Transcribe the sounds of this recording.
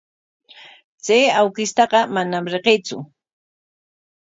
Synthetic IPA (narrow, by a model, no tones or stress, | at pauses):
t͡sejawkɪst̪ɑɢɑmanamɾeqejt͡sʊ̰